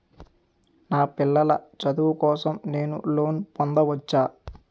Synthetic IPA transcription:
naːpilːɐlɐ̰t͡ʃɐd̪uʋukɔːsɐmne̞ːnṵlo̞ːnpɔnd̪ɐʋɐt͡ʃːaː

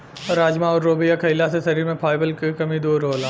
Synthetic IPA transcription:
ɔɾaːd͡ʒmaɔːɾːoːbijakʰɐɪlasesɐɾiːɾmẽpʰaːɪbəlkekɐmid̪uːɾɦoːlaː

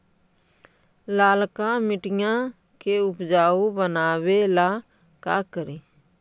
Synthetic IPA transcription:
laːlkamɪʈɪjã | keʊpd͡ʒaːubənaːwela | ka̰kəɾiː

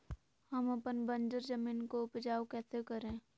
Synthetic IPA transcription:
həmɐpənbə̃nd͡ʒəɾd͡ʒəmiːnkoʊpd͡ʒaːwkɛːsekəɾẽː

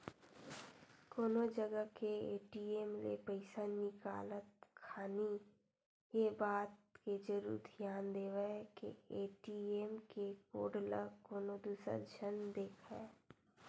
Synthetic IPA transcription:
koːnod͡ʒəɡəkeeːʈiːeːmlḛpəɪsanɪka̰ːlət̪̚kʰaːni | jebaːt̪ked͡ʒəɾṵːɾd̪ʱjaːnd̪eːʋəkḛeːʈieːmkeko̰ːɖləkoːnod̪uːsə̰ɾd͡ʒənd̪eːkʰɛ̰

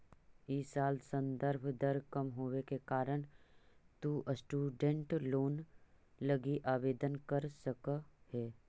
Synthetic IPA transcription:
isaːlsə̃nd̪əɾbʱd̪əɾkɐmɦoːekekaːɾəɽ̃t̪uʔəsʈuːɖẽɳʈloːnləɡiʔaːʋeːd̪ənkəɾsəkhɛː

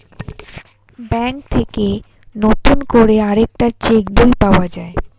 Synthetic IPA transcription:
bɛŋk̚t̪ʰeke | not̪unkoɾeaɾek̚ʈaɾt͡ɕekbulpaoad͡ʑae

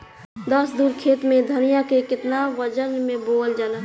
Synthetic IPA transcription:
d̪əsd̪uːɾkʰeːt̪mẽd̪ʱənijakekɪt̪naʋəd͡ʒənmẽboːld͡ʒaːla

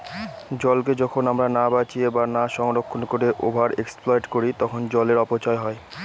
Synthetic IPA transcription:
d͡ʑɔlk̬ed͡ʑɔkʰonamɾanabat͡ɕiebanaʃɔŋɾokʰːonkoɾeʔobʱaɾeksplɔjʈkoɾit̪ɔkʰond͡ʑɔleɾɔpot͡ɕaeɦɔe

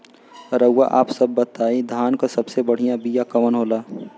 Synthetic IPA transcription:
ɾəwa̰ʔa̰ːpsəbːət̪aːid̪ʱaːnkasɐbsebəɽ̤ijãbijakɐʋənɦoːlaː

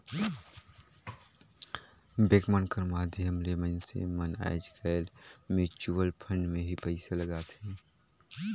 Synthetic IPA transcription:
beːɡmənkəɾmaːd̪ʱjəmlemənsḛməna̰jd͡ʒkaːlmet͡ʃuːəlpʰə̃ɳɖmẽɦipɛɪseləɡaːt̪hɛ̃ː

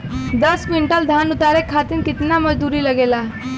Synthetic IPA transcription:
d̪əsʋiɳʈəld̪ʱanut̪aɾekʰːat̪inkɪt̪naməd͡ʒd̪uɾiləɡela

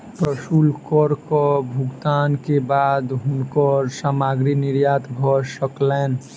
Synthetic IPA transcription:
pɾəsulkɔɾkəbʱʊɡt̪ankebad̪ɦʊnkəɾsaːmaɡɾinɪɾjat̪bʱɔsəkleːn

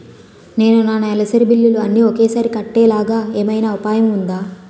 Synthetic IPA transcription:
ne̞ːnunaːnɐɛlɐsɐɾibilːuluɐnːiokeːsaːɾikɐʈːɛːlaːɡaːeːmɐjnaːʋɐpaːjɐmund̪aː

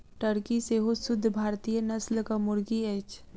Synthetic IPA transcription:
ʈəɽkiseɦosʊd̪ʱːbʱaːɾt̪ijənɐslkamʊɾɡieːt͡ʃʰ

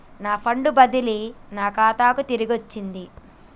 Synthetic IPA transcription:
naːpʰɐɳɖubɐd̪ilinaːkaːt̪aːkut̪iɾiɡot͡ʃːind̪i

